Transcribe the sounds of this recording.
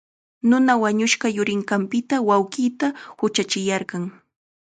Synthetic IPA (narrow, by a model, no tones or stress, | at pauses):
nʊnawaɲʊʃɢɑjʊɾɪŋɢɑmpɪt̪awawɢiːt̪ahʊt͡ʃat͡ʃɪjɑɾɢɑŋ